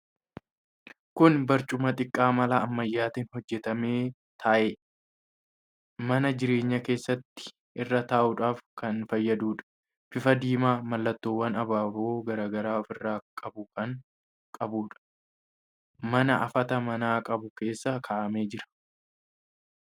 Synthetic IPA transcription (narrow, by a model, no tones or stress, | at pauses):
kʊnbɐɾt͡ʃʼʊmɐt̪ʼɪkʼːaːmɐlɐːmːɐjːaːt̪inhɔd͡ʒːɛt̪ɐme̞ː | t̪ʰaːʔeː | mɐnɐd͡ʒɪɾe̞ːɲːɐke̞ːsːɐt̪ːɪ̥ | ʔɪrːɐt̪aːʔʊᶑaːfkɐnfɐjːɐd̪uːᶑɐ̥ | fɪfɐd̪iːmaːmɐlːɐt̪ːo̞ːwːɐnɐbaːboːɡɐɾaːɡɐɾaːɔfɪrːaːkʼɐbʊkɐŋ | kʼɐbuːᶑɐ̥ | mɐnɐʔɐfɐt̪ɐmɐnaːkʼɐbʊke̞ːsːɐkʰaːʔɐme̞ːd͡ʒɪɾɐ̥